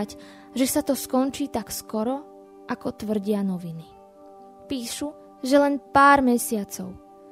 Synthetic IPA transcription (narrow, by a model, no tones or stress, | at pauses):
c | ʒɛsat̪ɔskɔnt͡ʃiːt̪akskɔɾɔ | ʔakɔt̪ʋr̩ɟɪanɔʋini | piːʃu | ʒɛlɛnpaːɾmɛsɪat͡sɔʊ